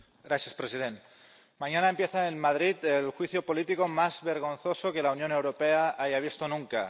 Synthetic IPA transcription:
ɡɾaθjaspɾesið̞ent̪ | mãɲanaempje̞θaenmað̞ɾit̪elxwiθjopolit̪ikomazβe̞ɾɣ̞o̞nθo̞soke̞launjone̞wɾopeaajaβ̞ist̪onũŋka

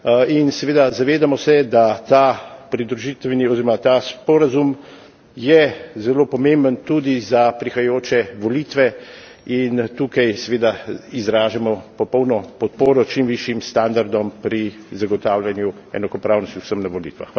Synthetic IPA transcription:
insɛʋeːd̪azaʋeːd̪amɔsɛd̪at̪apɾid̪ɾuʒiːt̪ʋɛniɔziːɾɔmat̪aspɔɾazum | jɛzɛloːpɔmẽmbənt̪uːd̪izapɾixajoːt͡ʃɛʋɔliːt̪ʋɛ | int̪uːkajsɛʋeːd̪aizɾaːʒamɔpɔpɔwnɔpɔt̪̚poːɾɔt͡ʃimʋiʃjimst̪and̪aɾd̪ɔmpɾi | zaɡɔt̪aːwlʲjanju | ɛ̰nakɔpɾaːwnɔst̪iwsəmnaʋɔlḭːt̪ʋa̰x

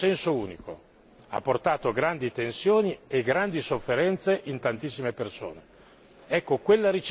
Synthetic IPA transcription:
ɛnsouːniko̰ | a̰pːort̪aːt̪oɡɾand̪it̪ensjoːnieɡɾand̪isofːeɾɛnt̪seʔint̪ant̪isːimeperso̰ːne | ɛkːokwelːaɾit͡ʃ

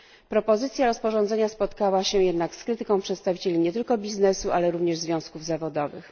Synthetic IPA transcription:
pɾɔpɔzɘt̪sʲjaɾɔspɔʐɔ̃nd̪zɛɲaspɔt̪kawaɕɛjɛd̪nakskɾɘt̪ɘkɔ̃w̃pʂɛt̪st̪avʲit͡ɕelʲiɲɛt̪ɘlkɔbʲiznɛsuʔalɛɾuvɲɛʐzvʲjɔ̃w̃skuvzavɔd̪ɔvɘ̰x

